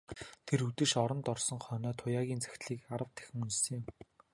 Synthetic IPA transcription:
t̪ʰeɾut̪ɘ̆ʃɔɾɞ̆nt̪ɔrsɞ̆ŋχœnɔːt̪ʰʊjaːɣʲiːnt͡sʰæ̥xʲt̪ɮiːkaɾə̆wt̪ʰːæ̥xʲɪ̆ŋunt͡ɕsɘ̆ŋɪm

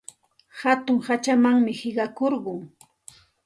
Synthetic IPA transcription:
hat̪ʊŋhat͡ʃamaŋmɪhɪɢɑkoɾɢʊŋ

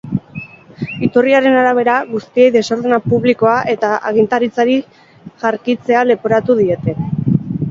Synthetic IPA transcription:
it̪uriaɾe̞naɾaβ̞e̞ɾaɣust̪ie̞jðe̞so̞ɾðenapuβliko̞aʔe̞t̪aʔaɣ̞int̪aɾit͡saɾi | ʝaɾkit͡se̞ale̞poɾat̪uð̞ie̞t̪e̞

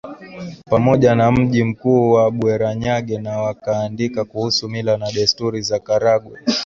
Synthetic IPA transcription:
pamɔʄanam̩ʄim̩kuːwaɓwɛɾaɲaɠɛnawakaːndikakuhusumilanaɗɛstuɾizakaɾaɡwɛ

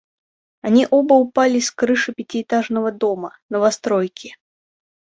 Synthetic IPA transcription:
anʲiʔɔbɐwpalʲiskɾɨʂɨpʲat͡sʲiɛt̪aʐnɐvɐd̪ɔmɐnɐvast̪ɾɔjkʲi

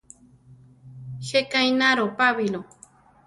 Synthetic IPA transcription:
hekajnaɾopaβilo

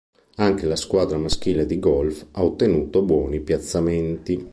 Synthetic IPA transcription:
aŋk̟elaskwaːd̪ɾamask̟iːled̪iɡɔlfaot̪ːenuːt̪obwɔːnipjat̪sːament̪i

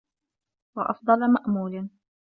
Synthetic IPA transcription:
wɑʔɑ̰fd̪ˤɑlmaʔmuːlɪ

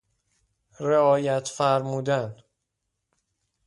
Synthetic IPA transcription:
re̞ɒːjæt̪ʰfæɾmuːd̪æn

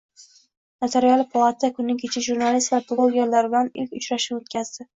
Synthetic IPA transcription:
nat̪ʰeɾialˠɪpʰalˠat̪ʰakʰʊnːɪŋkʲʰet͡ʃʰɪʒuɾnalist̪vapʰɪlˠoɡʲeɾlaɾɪbɪlanɪlkʲʊt͡ʃɾaʃɪot̪kʲazd̪ɪ

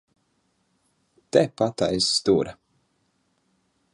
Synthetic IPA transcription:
t̪ɛpat̪aisːt̪uːɾa

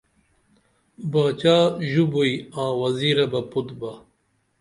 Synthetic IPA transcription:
baːt͡ɕaːʑubuiãːwɐziːɾɐbɐput̪bɐ

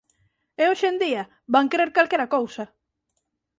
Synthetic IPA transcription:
eoʃend̪iɐ | βaŋkɾeɾkalkeɾakowsɐ

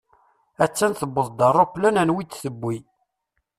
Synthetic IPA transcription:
æt͡sːænθəbːəðˤd̪ɑrˤːoplænænwit̪ːsəbːi

